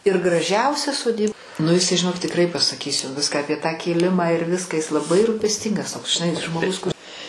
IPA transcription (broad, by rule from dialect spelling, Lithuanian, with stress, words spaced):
ɪr ɡrɐˈʒʲɛʊsʲɛ soːˈdʲiːp nʊ ɪˈsɐɪ ʒʲɪˈnoːk tʲɪkˈrɐɪ pɐsɐˈkʲiːs jɛʊ ˈʋʲɪskɑː ɐpʲiɛ tɑː kʲeːˈlʲɪmɑː ɪr ˈʋʲɪskɐ ɪs lˠɐˈbɐɪ rʊpʲɛsʲˈtʲiːŋɡɐs toːks ʒʲɪˈnɐɪ ʒmoːˈɡʊs kʊr